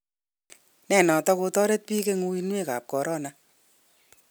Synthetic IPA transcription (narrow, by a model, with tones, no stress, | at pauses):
nɛ˨nɔ˨tɔ˦ko˧tɔ˦ɾe˦t̚pi˦ke˦ŋu˧i˦nwe˦ka̰˨p̚kɔ˨ɾʔɔ˦na˨